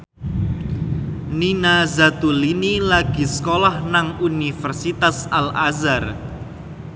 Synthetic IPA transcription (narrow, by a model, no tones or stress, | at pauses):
ninazat̪ulinilaɡ̥i̤sə̥kolahnaŋunifərsit̪asalazar